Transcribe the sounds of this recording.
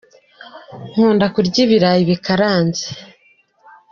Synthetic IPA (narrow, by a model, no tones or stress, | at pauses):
ŋ̥uːndakuɾɟiβiɾajiβikaɾaːnze̥